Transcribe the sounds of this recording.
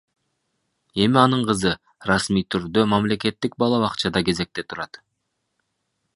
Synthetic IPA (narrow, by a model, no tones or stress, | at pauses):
e̞miɑnɯɴqɯzɯ | rɑsmijt̪ʰyɾd̪ø̞mɑmle̞ke̞t̪ːik̚bɑlˠɑβɑqt͡ʃɑd̪ɑke̞ze̞k̚t̪e̞t̪ʰuɾɑt̪